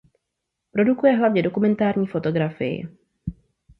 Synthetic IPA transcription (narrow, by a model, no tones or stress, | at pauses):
pɾo̞dukujɛɦlavɲɛdo̞kumɛnt̪aːɾɲiːfo̞t̪o̞ɡɾafɪ̰jɪ̰